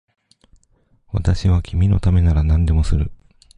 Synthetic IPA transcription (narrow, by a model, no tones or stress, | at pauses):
βa̰t̪aɕiβ̞akʲimʲino̞̰t̪ame̞naɾanãnd̪e̞mo̞sɨɾɯ̟